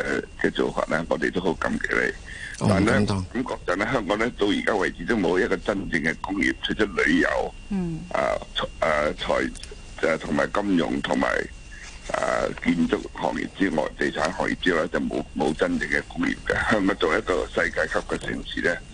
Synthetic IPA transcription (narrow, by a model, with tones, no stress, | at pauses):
ɛ˧kɛː˧t͡so˨wfa̰ː˨t̚ʔɛ˥ŋɔː˨˧t̪e˨t̪o˥who˨˧˥wkɐ˨˧˥mke˧˩lḛ˨˧jt̪aː˨nlɛː˥kɐ˨˥mkɔː˧k̚t͡sɐ˨t̚lɛ˥ɦœː˥ŋkɔː˨˥ŋlɛ˥t̪o˧wjiː˨˩kaː˥wɐ˨jt͡si˨˥t̪o˥wmo˨˧˥wjɐ˥t̚kɔː˧t͡sɐ˥nt͡sɪ˧ŋkɛ˧kʊ˥ŋjḭː˨˩p̚t͡ʃʰɵ˧˥t̚t͡ʃʰt̚lɵ˨˧ɥjɐ˨˩w | ʔa̰ː˨˩ɐː˨˩t͡sʰɔː˨˩j | ɛ˨t̪ʰʊ˨˩ŋmaː˨˩jkɐ˥mjʊ̰˨ŋt̪ʰʊ˨˩ŋma̰ː˨˩j | ʔɐ̰˨˩ki˧nt͡sʊ˥k̚hɔ̰ː˨˩ŋjḭː˨˩p̚t͡siː˥ŋɔ̰ː˨jt̪e˨˩jt͡sʰaː˨˥nɦɔː˨˩ŋjḭ˨p̚t͡siː˥ja˨˩wlɛ˥t͡sɐ˨wmo̰˨˧wmo˨˧wt͡sɐ˥nt͡sɪ˧ŋkɛ˧kʊ˥ŋjḭː˨˩p̚kɐ˧hœː˥ŋkɔː˨˥ŋt͡so˨˩wjɐ˥t̚kɔː˧sɐ˧jkaː˧jkʰɐ˥p̚kɛ˧sɪ̰˨˩ŋsiː˨˩lɛ˥